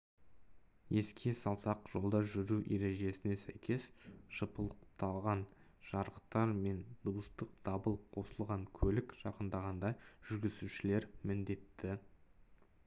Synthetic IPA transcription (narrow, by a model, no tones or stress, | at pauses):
je̞skʲʰe̞sɑlˠsɑqʒ̥o̞lˠd̪ɑʒʏɾuʔe̞ɾe̞ʒe̞sɪne̞sæjkʲe̞sʒ̥əpəlˠəq̚t̪ɑlˠʁɑn | ʒ̥ɑɾəqt̪ɑɾme̞nd̪̥uwəst̪əq̚d̪̥ɑbəlˠp̚qʰo̞səlˠʁɑŋkʲʰɵlɪkʒ̥ɑqənd̪ɑʁɑnd̪ɑʒ̥ʏɾɡʲɪzuʃɪle̞ɾmɪnd̪e̞t̪ːɪ